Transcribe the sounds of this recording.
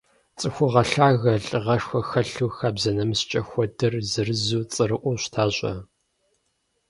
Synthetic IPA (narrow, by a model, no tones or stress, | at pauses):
t͡sʼɨxʷʊʁɐɬaːɣɐɬʼɨʁɐʂxʷɐxɐɬuːxaːbzɐnɐmst͡ʃʼɐxʷɔdɨrzɨrɨzuːt͡sʼɨɾɨʔʷʊɕʷtʰaːɕʷʼɐ̰